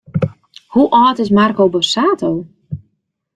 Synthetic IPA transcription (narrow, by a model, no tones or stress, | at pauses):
huʔɔːtɪsmarkowbəsaːtʰow